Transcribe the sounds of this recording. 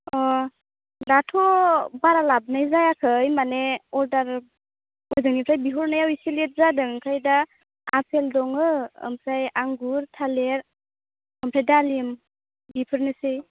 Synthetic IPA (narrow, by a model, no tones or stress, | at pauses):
ɔ | latʰɔbaɾalab̚najzajakʰɯjmaneɔɾdaɾ | ɔjzɯŋnipʰɾajbiɦɔɾnajawisilet̚zadɯŋkʰajda | apʰeldɔŋɯɯ̰mpʰɾajaŋɡuɾtʰaleɾ | əmpʰɾajdalim | bipʰɯɾnɯsɯj